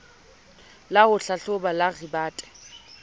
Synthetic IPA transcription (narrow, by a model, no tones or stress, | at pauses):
lahʊɬaɬʊbalaɣibaːtʼɛ̥